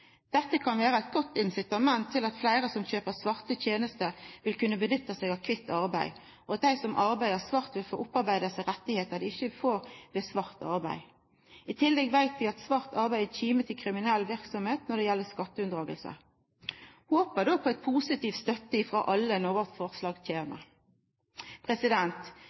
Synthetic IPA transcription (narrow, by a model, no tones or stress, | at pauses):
d̪̥ɛt̪ːəkʰɑnʋeːɾəɛɪt̪̚ɡɔt̪ːɪnsɪt̪ɑmɛnt̪ʰːɪlɑt̪flæɪɾəsɔmçøːpəsʋɑʁt̪ət̪ʰjeːnəst̪əʋɪlkʉnːəbənʏt̪ːəseːɡɑʋkʰʋɪt̪ːɑʁbæɪ | ʔɔɑt̪̚d̪æɪsɔmʔɑʁbæɪd̪əsʋɑʁt̪ʋɪlfoːʔʊpːɑɾbæɪd̪əsəʁɛt̪ːɪheːt̪əd̪ɛɪçəfoːʁd̪ɛsʋɑʁt̪ɑ̰ʁbæɪ | ɪt̪ʰɪlːɛɡʋæɪt̪ʋɪɑt̪sʋɑʁt̪ʰɑʁbæɪd̪əçiːmət̪ʰɪlkʰɾɪmɪnɛlʋɪʁksɔmheːt̪nɔd̪ɛjɛlːəskɑt̪ːəʉnʁɑːɡəlsə̰ | hoːpəd̪ɔpʰɔɛt̪pʰuːsɪt̪iːft̪st̪œt̪ːəɪfʁɑ̰ːʔɑlːənɔʋəʁt̪fɔʁslɑːɡt̪ʰjeːnə̰ɾ | pʰʁɛsɪd̪ɛnt̪